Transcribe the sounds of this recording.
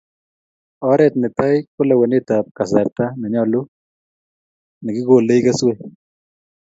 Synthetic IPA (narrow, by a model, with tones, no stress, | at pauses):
ɔ˦ɾɛt̪̚nɪ˨ta˦jkʊ˦la˨we˨ne˦t̪ap̚ka˨s̬aɾt̪a˦nɛ˨ɲɔlu˦ | nɪ˨kɪ˦ɡo˨le˦jkɐ˦swe